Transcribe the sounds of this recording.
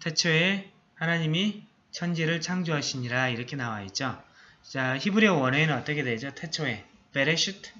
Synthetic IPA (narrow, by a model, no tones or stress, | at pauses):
tʰet͡ɕʰoe | hanaɲimi | t͡ɕʰʌnd͡ʑeɾɯɭt͡ɕʰaŋd͡ʑoɦaɕʰiɲiɾaiɾʌkʰe̞nawaet̚t͡ɕ͈o | t͡ɕ͈açibuɾiʌwʌneenɯnʌt͈ʌkʰe̞dwe̞d͡ʑotʰe̞t͡ɕʰoe̞ | pe̞ɾeɕʰutʰ